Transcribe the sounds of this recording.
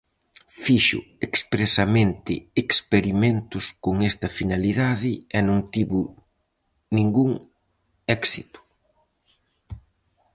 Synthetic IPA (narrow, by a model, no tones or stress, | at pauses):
fiʃʊ̰ekspɾesɐmẽnt̪ɪekspeɾiment̪ʊskoŋɛst̪ɐfinaliðaðɪɛnõŋt̪iβʊ | nĩŋɡuŋ | ɛksit̪ʊ̥